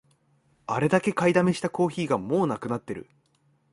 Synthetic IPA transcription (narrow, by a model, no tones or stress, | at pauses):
aɾe̞d̪ake̞kaid̪ame̞ɕi̥t̪ako̞ːçiːɡamo̞ːnakɯ̟nat̪ːe̞ɾɯ̟̰